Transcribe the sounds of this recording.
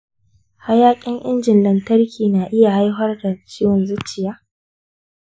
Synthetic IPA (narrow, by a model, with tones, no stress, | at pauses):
ha˦jaː˦kʲʼɪ˦ŋʔɪ˦nd͡ʒɪ˨nlɐ˨ntɐ˦rkʲʰiː˨naː˨ʔɪ˦ja˨ha˦jɦɐ˦rda˨t͡ʃiː˦wɐ˨nzʊ˦t͡ʃɪ˨jaː˦